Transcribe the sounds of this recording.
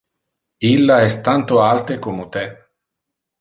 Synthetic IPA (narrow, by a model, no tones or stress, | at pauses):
ilːaɛst̪ant̪oalt̪ekomot̪ɛ